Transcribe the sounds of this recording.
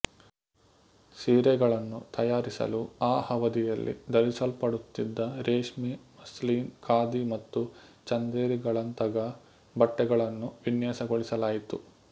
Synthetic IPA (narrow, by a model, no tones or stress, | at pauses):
siːɾɛɡɐɭɐnːut̪ɐjaːɾisɐ̰luaːhɐʋɐd̪ijɐlːʔḭd̪ɐɾisɐlpɐɽut̪ːid̪ːɐɾeːʂmimɐsliːnkaːd̪imɐt̪ːut͡ʃɐnd̪eːɾiɡɐɭɐnt̪ɐɡɐ | bɐʈːɛɡɐɭɐnːuʋinjaːsɐɡoɭisɐlaːjit̪u